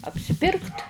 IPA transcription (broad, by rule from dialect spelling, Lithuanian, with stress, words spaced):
ɐpʲsʲɪˈpʲɪrkt